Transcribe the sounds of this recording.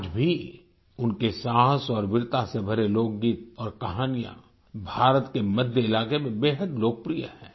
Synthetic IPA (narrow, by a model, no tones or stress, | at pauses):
d͡ʒbʱi | ʊnkesaːɦə̃sɔːɾʋɪɾt̪asebʱɐɾeloːk̚ɡiːt̪̚ɔːɾkɐɦaːnijã̰ | bʱaːɾət̪kemɐd̪ʱjəɪlaːkemẽbeːɦəd̪loːkəpɾija̰hɛ̃ː